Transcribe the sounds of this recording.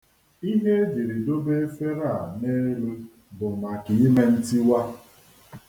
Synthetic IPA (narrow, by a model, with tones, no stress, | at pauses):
i˦ɦe˦e˦d͡ʒi˨ɾi˨do˦be˦e˦fe˦ɾa˦˨ne˦lu˦ | bʊ˨m̩˨ma˨ki˨i˦me˦n̩˦ti˦wa˦